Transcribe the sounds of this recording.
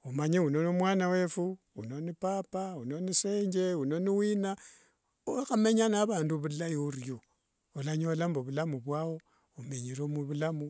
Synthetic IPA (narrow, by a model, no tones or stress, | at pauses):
umaɲeunonomwanawe̞fu | unonipapaunoniseːɲd͡ʒeunoniwina | oxameɲanaβaːnduβullajorjo | olaɲolamboβulamuβwawo̞ | umeɲiɾomuβulamu